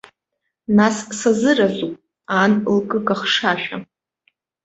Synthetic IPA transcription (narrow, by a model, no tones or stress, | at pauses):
nassazɨrazʷupʼ | anlkʼɨkaχʂaʃᶣa̰